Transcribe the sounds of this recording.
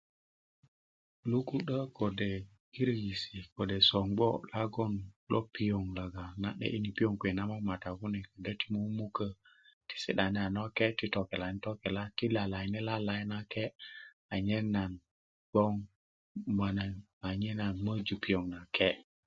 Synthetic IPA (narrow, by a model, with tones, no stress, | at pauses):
lu˦ku˦ɗə˦ko˨de˨ | ki˦ɾji˨si˨ko˨de˨so˨ŋɡ͡bo̰˦la˦ɡo˦nlʔo˦pi˦jo˨ŋla˨ɡa˨na̰˦ɗḛ˦ʔi˦ni˨pi˦jo˦ŋkwe˨na˦ma˦ma˨ta˨ku˦ne˨kə˨də˦ti˦mo˦mu˦kə˦ | ti̥˦sḭ˦ɗa˨ne˦a˨no˦ke˦ti˦to˨ke˨la˨˦n˦to˦ke˨la˦ti˦la˨la˨jne˦la˦la˨˦jna˦ke˦ | a˨ɲe˦nːa˨n | b̥o˦ŋ | ma˨na˨ | a˨ɲe˦na˨nmə˦d͡ʒu˨pi˦jo˨ŋna˨ke˦